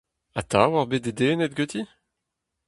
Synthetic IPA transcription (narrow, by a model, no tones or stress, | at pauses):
at̪a̰waʁbed̪̚ed̪eːnɛt̪̚ɡøt̪i